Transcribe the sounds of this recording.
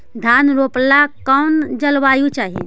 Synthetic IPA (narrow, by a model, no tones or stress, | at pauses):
d̪ʱanɾoplakɔʊnd͡ʒəlʋajut͡ʃaːɦḭ